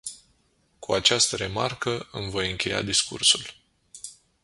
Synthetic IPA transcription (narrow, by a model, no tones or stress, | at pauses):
kʰuat͡ʃast̪əɾe̞markəʔɨmvojɨŋkʲe̞ja̰d̪iskṵrsul